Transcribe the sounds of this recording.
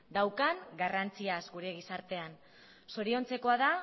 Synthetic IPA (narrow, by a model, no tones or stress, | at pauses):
d̪awkaŋɡarant͡siazɡuɾe̞ɣ̞isaɾt̪e̞an | so̞ɾio̞nt͡se̞ko̞aða